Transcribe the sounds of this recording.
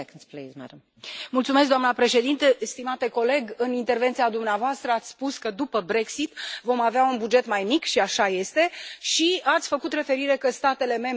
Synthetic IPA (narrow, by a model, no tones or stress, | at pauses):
knplizmɛ̰dm | mult̪sumes̬kd̪oamnəpɾe̞ʃe̞d̪int̪est̪imat̪e̞ko̞le̞ɡɨnint̪e̞rvent̪siad̪umneavoast̪ɾəat̪sʲspuskəd̪upəbɾe̞ksit̪vo̞maveaunbud͡ʒe̞t̪majmikʃiaʃaje̞st̪e̞ʃiat̪sʲfəkut̪re̞fe̞ɾiɾe̞kəst̪at̪e̞le̞me̞